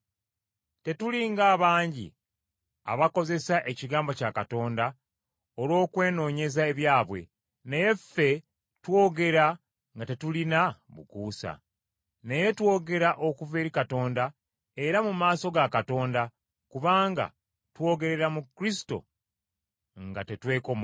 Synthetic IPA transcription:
te̞tuliŋɡaːβaːɲɟḭ | a̰βako̞ze̞saʔe̞ciɡaːmbo̞cakato̞ːnda | olwo̞ːkwe̞ːno̞ːɲe̞zae̞βjaːβwe̞̰ | ne̞je̞fe̞ | two̞ːɡe̞ɾa | ŋɡate̞tulinaβṵkuːsa̰ | ne̞je̞two̞ːɡe̞ɾaʔo̞kuve̞ːɾikato̞ːnda | e̞ɾamumaːso̞ɡakato̞ːnda | kuβaːŋɡa̰ | two̞ɡe̞ɾe̞ɾamukɾisi̥to̞̰ | ŋɡate̞twe̞ːkom

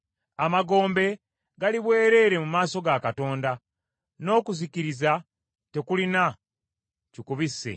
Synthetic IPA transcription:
amaɡo̞ːmbe̞ | ɡaliβwe̞ːɾe̞ːɾe̞mumaːso̞ɡakato̞ːnda | no̞ːkuziciɾiza | te̞kulina | cikuβisːe̞̰

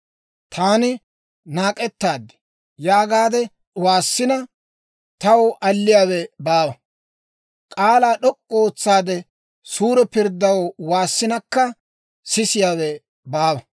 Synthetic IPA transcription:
t̪ʰaːnɪ | naːkʼɛt̪ːaːd̪ːɛ̥ | jaːɡaːd̪ɛ | waːsːɪnɐ | t̪ɐwʔɐlːɪjaːwɛbaːwɐ | kʼaːlaːɗɔkʼːoːt͡sːaːd̪ɛ | suːɾɛpɪɾd̪ːɐwwaːsːɪnɐkːɐ | sɪsɪjaːwɛ | baːwɐ

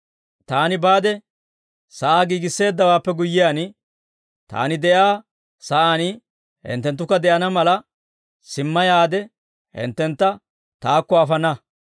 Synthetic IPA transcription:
t̪aːnɪbaːd̪ɛ | sɐʔaːɡiːɡɪsːe̞ːd̪ːɐwaːpːɛɡʊjːɪjaːn | t̪a̰ːnɪd̪ɛjaː | sɐʔaːnɪ | hɪ̰nt̪ːɛnt̪ːʊkːɐd̪ɛʔɐnɐmɐlɐ | sɪmːɐjaːd̪ɛ | hɪ̰nt̪ːɛnt̪ːɐ | t̪aːkːɔɐfɐnɐ

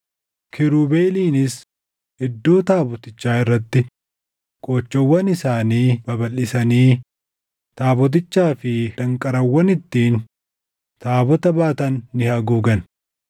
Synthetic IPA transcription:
kʰɪɾuːbeːliːnɪs | ɪd̪ːo̞ːt̪aːbɔt̪ɪt͡ʃːaːɪrːɐt̪ːɪ | kʼoːt͡ʃːɔwːɐnɪsaːniːb̥ɐbɐlːɪsɐniː | t̪aːbɔt̪̬ɪt͡ʃːaːfɪd̪ɐŋkʼɐɾɐwːɐnɪt̪ːiːn | t̪aːbɔt̪ɐbaːt̪ɐnːɪhɐɡuːɡɐn

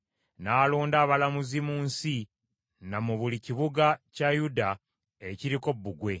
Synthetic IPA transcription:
naːloːndaːβalamuzimuːnsi | namuβuliciβuɡacajuda | eciɾiko̞bːuɡwe̞

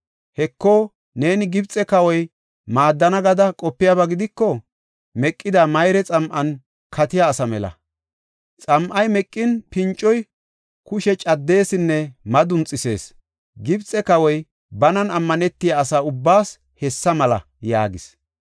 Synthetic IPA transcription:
hɛkːoː | ne̞ːnɪɡɪbt͡sʼɛkɐwɔj | maːd̪ːɐnɐɡɐd̪ɐkʼɔpːɪjɐbɐɡɪd̪ɪkːɔ | mɛkʼːɪd̪amɐjɾɛt͡sʼɐmʔɐn | kʰɐt̪ɪjaːsɐmɛlɐ̰ | t͡sʼɐmʔɐjmɛkʼːɪnpɪnt͡ʃʼːɔj | kʊʃɛt͡ʃʼɐd̪ːe̞ːsɪnːɛmɐd̪ʊnt͡sʼːɪse̞̰ːs | ɡɪbt͡sʼːɛkɐwɔj | bɐnɐnɐmːɐnɛt̪ːɪjaːsaːʊbːaːs | hɛsːɐmɐlɐ̰ | ja̰ːɡɪs

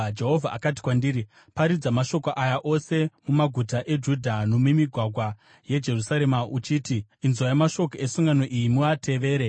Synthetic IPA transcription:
d͡ʒe̞ɦo̞vʱaʔa̰kat̬i̥kwandiɾi | paɾid͡zamaʃo̞koʔajaʔo̞se̞mumaɡʱutaʔe̞d͡ʒudʱano̞mumiɡʱwaɡʱwa | je̞d͡ʒe̞rusaɾe̞maut͡ʃitiːnzojamaʃo̞koesuŋɡano̞ʔijimuatʰe̞ʋe̞ːɾe̞

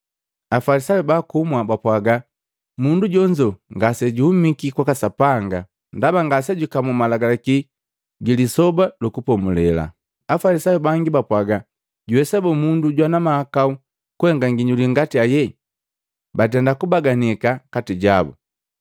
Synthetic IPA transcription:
afalisajubakumwabapwaɡa | munduɟɔɲd͡ʒɔŋɡasɛɟuhumikikwakasapaŋɡa | ndabaŋɡasɛɟukamumalaɡalaki | ɡilisɔbalukupɔmulɛla̰ | afalisajubaŋɡibapwaɡa | ɟuhɛsɛbɔmunduɟwanamahakau | kuhɛŋɡaŋɡiɲuliŋɡatiajɛ | bat̬ɛndakubaɡanikakatiɟabṵ

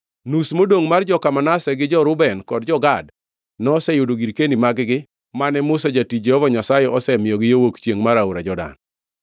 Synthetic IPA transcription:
nusmodoŋmard͡ʒɔkamanasɛɡɪd͡ʒɔɾʊbɛnkɔd̚d͡ʒɔɡad | nɔɔsɛjʊdoɡiɾkendimaɡɡɪ | manɛmʊsad͡ʒatid͡ʒɛhɔvɔɲasajɛɔsɛmɪjɔɡɪjowokt͡ʃjeŋmaɾauɾad͡ʒɔda̰n

